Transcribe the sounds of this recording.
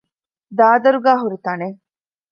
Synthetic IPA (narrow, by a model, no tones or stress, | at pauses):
d̪aːd̪ɐɾuɡaːɦuɾit̪ɐne